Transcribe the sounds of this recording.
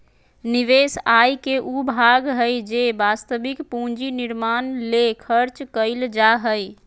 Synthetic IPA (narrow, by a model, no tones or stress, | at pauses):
niʋesajkeʔubʱaɡɦəjd͡ʒebast̪əbikpũnd͡ʒiniɾmanlekʰəɾt͡ʃkəɪld͡ʒaɦəj